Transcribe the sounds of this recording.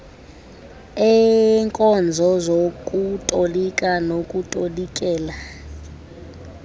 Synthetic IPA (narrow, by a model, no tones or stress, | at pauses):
ɛŋkʼɔnd͡zʱɔzokʼutʼolikʼanokʼutʼolikʼɛːla